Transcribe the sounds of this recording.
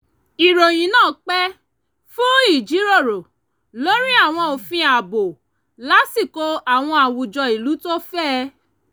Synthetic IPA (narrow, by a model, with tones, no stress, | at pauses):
i˨ɾo˨j̃ĩ˨nãː˦˨k͡pɛ˦ | fũ˦i˦˨d͡ʒi˨˦ɾo˦˨ɾo˨ | lo˦ɾi˦a˦˨w̃ɔ̃˧o˨fĩ˧a˨bo˨ | la˨˦si˦˨ko˧˦a˦˨w̃ɔ̃˧a˨wu˨d͡ʒɔ˧i˨lu˨˦to˦fɛː˦